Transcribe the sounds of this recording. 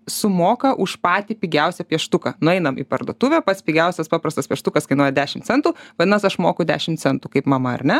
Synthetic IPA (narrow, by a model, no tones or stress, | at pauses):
sʊmoːkɐʔʊʃpɑːt̪ʲiːpʲiːɡʲɛʊsʲɛpʲiɛʃt̪ʊkɐnʊɛɪnɐmḭpɐrd̪ṵɔt̪uːʋʲopɐt̪sʲpʲiɡʲɛʊsʲɛspɑːpɾɐst̪ɐspʲiɛʃt̪ʊkɐskɐɪnuɔjɛd̪ʲæːʃʲɪmt̪t͡ssʲɛnt̪uːʋɐdʲɪnɐsɐʃmoːkʊd̪ʲæ̰ːʃʲɪmt̪sʲɛnt̪uːkɐɪpmɐmɐɐ̰ɾnʲɛ